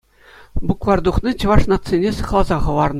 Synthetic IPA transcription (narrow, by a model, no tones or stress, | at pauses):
buklˠɑrd̪uχnʲɤt͡ɕɤ̆ʋɑʂnɑt̪t͡sːenʲesɤ̆χlˠɑzɑχɤ̆ʋɑrnɤ